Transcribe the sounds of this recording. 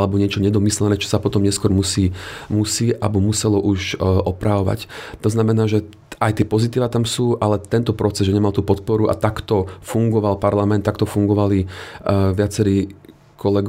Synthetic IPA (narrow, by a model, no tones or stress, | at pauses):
alɛbɔɲɪɛt͡ʃɔɲɛd̪ɔmislɛnɛːt͡ʃɔ̥sapɔt̪ɔmɲɛskʊɔɾmusiːmusiːʔabɔmusɛlɔʔuʃʔɔpɾaʋɔʋa̰ct̪ɔznamɛnaːʒɛ | ajt̪ɪɛpɔzit̪iːʋat̪amsuːʔalɛt̪ɛnt̪ɔpɾɔt͡sɛzʒɛɲɛmalt̪uːpɔt̪̚pɔɾuʔa̰t̪akt̪ɔfuŋɡɔʋalpaɾlamɛnt̪ːak̚t̪ɔfuŋɡɔʋali | ʋɪat͡sɛɾiː | kɔlɛɡ